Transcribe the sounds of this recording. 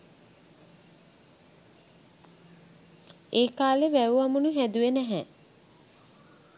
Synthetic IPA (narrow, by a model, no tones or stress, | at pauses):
eːkaːlebæʋuamunuɦæd̪uʋenæɦɛ